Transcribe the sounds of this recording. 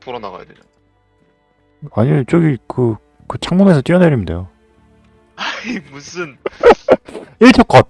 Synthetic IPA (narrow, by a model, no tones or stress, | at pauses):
tuɾʌnaɣa̰ja̰dweɲo | aɲimet͡ɕ͈oɡikɯ | kɯt͡ɕʰaŋmume̞sʰʌt͈iʌneɾimnde̞jo | aimusʰɯn | iɭtʰʌk͈̚k͈at